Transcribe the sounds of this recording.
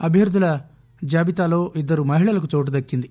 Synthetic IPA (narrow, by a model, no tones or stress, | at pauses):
ɐbʱjɐɾud̪ʱɐlɐ | d͡ʒaːbit̪aːloːʔid̪ːɐɾumɐɦiɭɐlɐkut̪oːʈ̬ud̪ɐkːind̪i